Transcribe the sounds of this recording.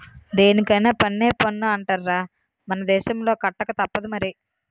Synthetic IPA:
d̪eːnikɐjneːpɐnːe̞ːpɐnːuɐɳʈaːɾɾaː | mɐnɐd̪ɛːʃɐmlo̞ːkɐʈːɐkɐt̪ɐpːɐd̪umɐɾi

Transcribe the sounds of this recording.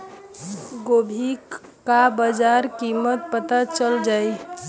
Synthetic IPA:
ɡobʱikabəd͡ʒaɾkimət̪̚pət̪at͡ʃəld͡ʒaːi

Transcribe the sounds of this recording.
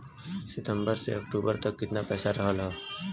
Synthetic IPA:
sɪt̪ə̃mbəɾsḛɐkʈuːbəɾt̪ɐkːɪt̪napɛːsaɾɐɦəlɦaː

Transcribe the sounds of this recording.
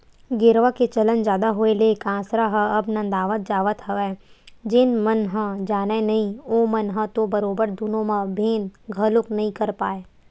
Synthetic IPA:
ɡɪɾʋaket͡ʃɐlənd͡ʒjaːd̪aɦoelekãːsɾaɦəɐbnɐ̃nd̪aːʋət̪̚d͡ʒaːʋət̪ɦɐʋɛːd͡ʒɪnmɐnɦə̃d͡ʒaːnanɐɦĩoːmɐnɦɐ̃t̪obɐɾoːbəɾd̪unõmãbʱẽːnɡʱɐlʊknɐɦĩkɐɾpaːeː

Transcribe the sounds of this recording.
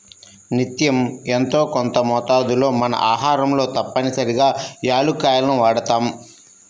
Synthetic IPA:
nit̪jɐme̞nt̪o̞ːkont̪ɐmɔːt̪aːd̪ulo̞ːmɐnɐ̰ʔaːɦaːɾɐmlo̞ːt̪ɐpːɐnisɐɾiɡaːjaːlukaːjɐlɐnuʋaːɽɐt̪aːm

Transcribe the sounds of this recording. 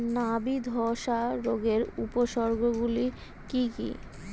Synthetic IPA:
nabid̪ʱɔʃaɾoɡeɾupoʃɔɾɡʱoɡuli | kikḭ

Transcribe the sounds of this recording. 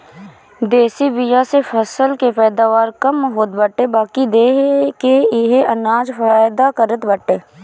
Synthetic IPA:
d̪eːsibɪjasefʰəsəlkepɛːd̪aːʋaːɾkəmɦoːt̪bəʈebaːkid̪eːɦkeɪɦeʔɐnaːd͡ʒfaːjd̪akəɾət̪bəʈeː

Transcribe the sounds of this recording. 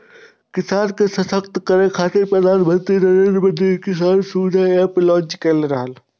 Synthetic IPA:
kɪsaːɾkesɐsəkt̪kəɾẽkʰaːt̪ɪɾpɾɐd̪aːnbʱə̃nt̪inɐɾẽnɾbəd̪ikɪsaːɾsuːd͡ʒʱaeːplɔ̃ːɲt͡ʃkelɾəɦəl

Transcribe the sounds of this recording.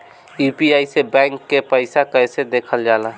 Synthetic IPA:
jupiaisebɛ̃ŋkːepəɪsakəjsed̪ekʰəld͡ʒala

